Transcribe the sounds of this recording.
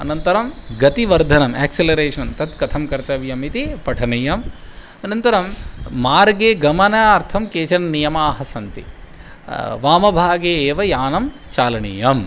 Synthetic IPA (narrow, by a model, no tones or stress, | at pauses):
ɐ̰nɐnt̪ɐɾɐmɡɐt̪iʋɐɾd̪ʱɐnɐmḛːkselɐɾeːʂɐnt̪ɐt̪kɐt̪ʰɐmkɐɾt̪ɐʋjɐmit̪ipɐʈʰɐnɐjɐm | ɐnɐnt̪ɐɾɐmːaːɾɡeːɡɐmɐnɐaːɾt̪ʰɐmkeːt͡ʃɐnnijɐmaːɦɐsɐnt̪ḭ | ʋaːmɐbʱaːɡeːeːʋɐjaːnɐm | t͡ʃaːlɐɳḭjɐm